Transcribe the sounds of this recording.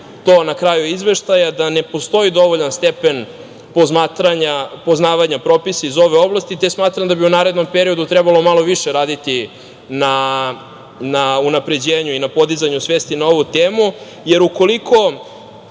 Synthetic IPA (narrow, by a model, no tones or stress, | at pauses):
t̪o̞ːnakɾaːjuizʋe̞ʃt̪ajad̪ane̞po̞st̪o̞id̪o̞ʋoʎanst̪e̞pe̞n | pozmaːt̪ɾaɲapo̞znaːʋaɲapɾo̞pisaizo̞ʋe̞o̞blˠast̪it̪e̞smaːt̪ɾamd̪abiunaːɾe̞d̪no̞mpe̞ɾio̞d̪ut̪ɾɛbalˠo̞malˠoʋiʃe̞ɾaːd̪it̪i | na | naunapɾe̞d͡ʑeːɲuinapo̞d̪izaɲusʋe̞ːst̪inao̞ʋut̪eːmu | je̞ɾuko̞likʰo̞